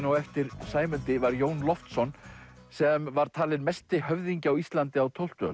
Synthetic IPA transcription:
nawɛft̪ɪɾ̥saːjmʏnt̪ɪvaɾjoːwnlɔft̪sɔn | sɛmvaɾ̥t̪ʰaːlɪnmɛst̪ɪhœvðiɲcɪawist̪lant̪ɪawt̪ʰowl̥t̪œ̰

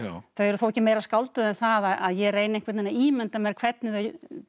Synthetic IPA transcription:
θœɥɛɾʏθowɛcːɪmeːjɾaskalt̪ʏðɛnθaðaaðjɛreːjnɪẽŋkvɛɾt̪nɛnːaiːmɛnt̪amɛɾkʰv̥ɛt̪̚nɪða

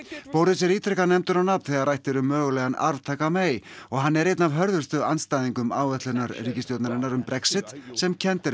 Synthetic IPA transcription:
powɾðɪs̬ɛɾiːt̪ʰɾɛkanɛmt̪ʏɾawnap̪nθɛɣaɾrajht̪ɪɾʏmːœːɣʏlɛɣana̰ɾvt̪ʰaːkameːjɔɣɦanːɛɾejt̪navɦœɾðʏɾst̪ʏanst̪aːjðiŋkʏma̰ːwvɛt̪lʏnaɾriːcɪst̪jowt̪naɾɪnːaɾʏmpɾɛksɪt̪sɛmcʰɛnt̪ɪɾ

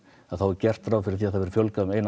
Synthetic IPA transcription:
aðθawɛɾcɛr̥t̪fɾawfɪɾɪɾθiːaðθavɛɾ̥fjœlkaðʏmeːjn

